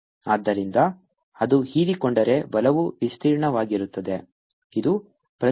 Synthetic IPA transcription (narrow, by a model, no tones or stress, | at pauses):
aːd̪ːɐɾind̪ɐ | ɐd̪uhiːlikɔɳɖɐɾe̞bɐlɐʋuʋist̪ʰiːɾɳɐʋaːɡiɾut̪ːɐd̪e̞ | id̪u | pɾɐ